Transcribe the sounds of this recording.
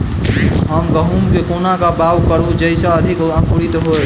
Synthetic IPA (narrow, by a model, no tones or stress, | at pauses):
ɦəmɡəɦumkekonakabawkəɾud͡ʒəjsaəd̪ʱikãkuɾit̪ɦoj